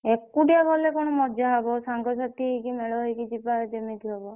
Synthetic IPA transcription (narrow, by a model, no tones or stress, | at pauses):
ekuʈiabʱɔlekɔɽ̃ɔmɔd͡ʒaɦɔbɔsaŋɡɔsat̪iɦejkimeɭɔɦɔjkid͡ʒipad͡ʒemit̪iɦɔbɔ